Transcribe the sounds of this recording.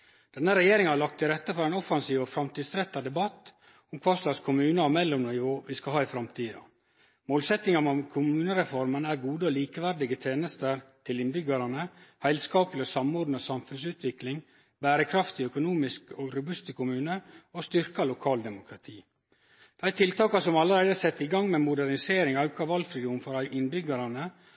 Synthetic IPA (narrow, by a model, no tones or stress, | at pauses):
d̪̥ɛnːəɾɛjeːɾɪŋhɑlɑk̚t̪ʰɪlɾɛt̪ːəfɔɾɛːnɔfɑnsiːʋɔfɾɑmt̪iːd̪sɾɛt̪ːɑd̪ɛbɑt̪ː | ʊmkʰʋɑːʂlɑːɡskʰʊmʉːnəɑʋmɛlːɔmnɪʋoːʋɪskɑɦɑːɪfɾɑmt̪ʰiːd̪ɑ̰ | moːlsɛt̪nɪŋɑmɔmkʰʊmʉːnəɾɛfɔɾmənæːɾɡuːd̪əoːliːkəʋæɾɖɪɡət̪ʰeːnəst̪əɾt̪ʰɪlɪnbʏɡəɾɑnəhæɪlskɑːplɪosɑmɔɾd̪n̩əosɑmfʉnsʉːt̪ʋɪklɪŋ | bæːɾəkʰɾɑft̪ɪœkʊnuːmɪskoɡɾʉbʉst̪əkʰʊmʉːnəost̪ʏɾkɑlʊkʰɑːld̪ɛmʊkʰɾɑt̪ʰiː | d̪̥æɪt̪ʰɪlt̪ɑːkɑsɔmɑləɾæɪd̪əæsɛt̪ːɪɡɑŋmɛmʊd̪æɾnɪseːɾɪŋɑʉkɑʋɑlfɾɪd̪uːmfɔɾɑɪnbʏɡɑɾɑnə